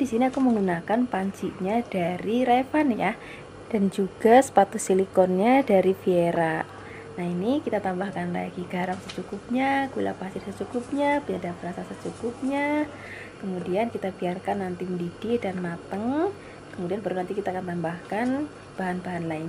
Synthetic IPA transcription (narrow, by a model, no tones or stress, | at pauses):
disiniakuməŋɡunakanpaɲt͡ʃiʔɲad̥aɾiɾefanja | d̥and͡ʒuɡ̥asə̥pat̪ʊsilikɔnɲadaɾifieɾaʔ | nainikit̪at̪ambahkanla̰ɡiɡ̥aɾaŋsət͡ʃukʊp̚ɲaɡula̰pasɪrsət͡ʃukʊp̚ɲabiadabəɾasasət͡ʃukʊp̚ɲa | kəmudiankit̪abiarkanːant̪iməndid̥ɪʔdanmat̪əŋ | kəmudianbaɾunant̪ikit̪aːkant̪ambahkan | b̥aɦanbaɦanlaɪɲa